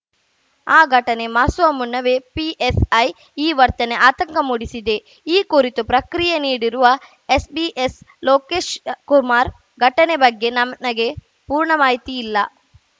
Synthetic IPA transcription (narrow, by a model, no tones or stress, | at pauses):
aːɡʱɐʈɐne̞maːsʋɐmunːɐʋepiʔesɐj | iːʋɐɾt̪ɐne̞ʔaːt̪ɐŋkɐmuɽisid̪e̞ | iːkuɾit̪upɾɐkɾijeniːɽiɾuʋɐ | esbiʔesloːkeːʃkuɾmaːɾ | ɡʱɐʈɐne̞bɐɡːe̞nɐmɐɡe̞ | puːɾɳɐmaːɦjt̪ijilːɐ